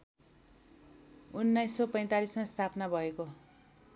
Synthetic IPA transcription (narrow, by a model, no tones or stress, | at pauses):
unːajsːʌpʌj̃t̪alismast̪ʰapnabʱʌeko